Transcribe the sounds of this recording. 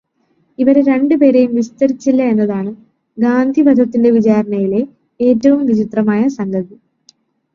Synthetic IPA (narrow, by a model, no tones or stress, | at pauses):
iʋɐɾeɾe̞ɳɖɨpe̞ːɾe̞jumʋist̪ɐɾit͡ɕːilːɐe̞nːɐðaːɳɨ | ɡaːnd̪ʱibɐd̪ʱɐt̪ːinde̞ʋid͡ʑaːɾɐɳɐjile̞ | eːtːɐʋumʋid͡ʑit̪rɐmaːjɐsɐŋɡʱɐði